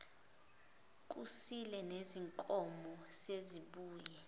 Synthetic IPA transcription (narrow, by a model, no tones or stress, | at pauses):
k̬usilɛneziŋkʼɔmɔseziɓuːjɛ